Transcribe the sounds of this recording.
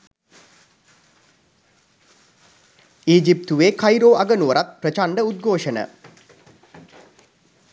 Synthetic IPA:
iːd͡ʒip̚t̪uʋeːkajɾoːʔɐɡənuʋɐɾat̪̚prət͡ʃaɳɖəud̪̚ɡʱoːʂənə̰

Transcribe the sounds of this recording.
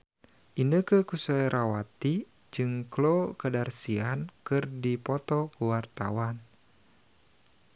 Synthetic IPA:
ʔinəkəkusajɾʔawat̪i | d͡ʒɨŋklokədarsiankɨrdipɔt̪ɔkəwart̪a̰wan

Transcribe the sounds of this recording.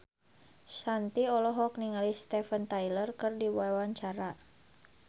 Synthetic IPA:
sant̪iɔlɔɦɔk̚niŋalist̪ɛfənt̪ajlərkɨrdiwawaɲt͡ʃaɾa

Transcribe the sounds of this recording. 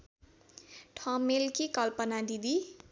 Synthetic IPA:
ʈʰʌmelkikʌlpʌnad̪id̪i

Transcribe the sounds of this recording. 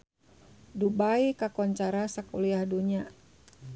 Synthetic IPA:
dubaikakɔɲt͡ʃaɾasakuliahduɲa

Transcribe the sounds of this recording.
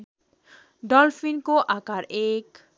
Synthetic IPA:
dɔlfʰinkoʔakaɾek

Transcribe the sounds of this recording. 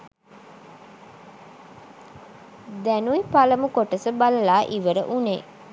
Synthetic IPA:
d̪ɛnuipalɐmukoʈəsəbalɐlaːʔiʋəɾə̰ʔunḛː

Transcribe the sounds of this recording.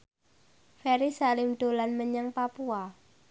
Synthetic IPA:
fɛɾisalɪmɖ̪̥o̤lanməɲaŋpapua

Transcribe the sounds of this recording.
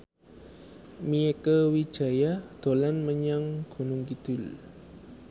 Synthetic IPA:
miekəwi̥ʒ̥a̤jad̪̥o̤lanməɲaŋɡ̥ṳnʊŋkid̪̥ʊl

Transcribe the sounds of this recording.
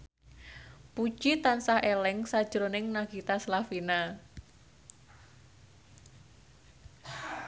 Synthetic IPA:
pu̥ʒ̥it̪ansahelɛŋsad̥ʒ̥ɾonɪŋnaɡ̥it̪aslafina

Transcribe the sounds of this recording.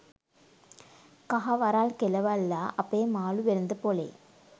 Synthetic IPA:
kɐɣɐʋɐɾaːlkɛlɐʋaɪlːaːʔɐpːeːmaːlɯʋɛɾɯnd̪ɐpoːlḛː

